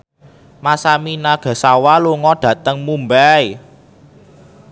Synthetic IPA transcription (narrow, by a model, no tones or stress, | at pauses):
masaminaɡ̥a̤sawaluŋɔɖ̥ä̤t̪əŋmumbɛj